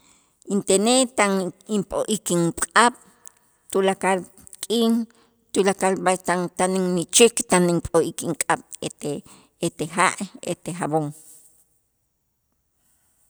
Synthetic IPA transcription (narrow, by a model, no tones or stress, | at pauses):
int̪enet̪animpʼoʔikiŋkʼaɓ̥ | t̪ulakal | kʼiːn | t̪ulakalbat̪ant̪aniŋnit͡ʃikt̪animpʼoʔikiŋkʼaɓ̥ee | et̪ehaʔḛt̪exaboŋ